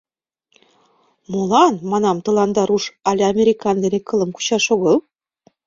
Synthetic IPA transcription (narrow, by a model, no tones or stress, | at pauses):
molɑnmɑnɑmt̪ɤ̆lˠɑnd̪ɑɾuʃɑlʲeɑmʲeɾʲikɑnd̪enekɤ̆lˠə̆mku̥t͡ɕɑʃoɣɤlˠ